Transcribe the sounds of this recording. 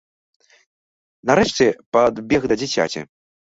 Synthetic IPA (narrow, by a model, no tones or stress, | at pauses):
naɾɛʂt͡sʲɛpad̪bʲɛɣd̪ɐd͡zʲit͡sʲa̰t͡sʲḭ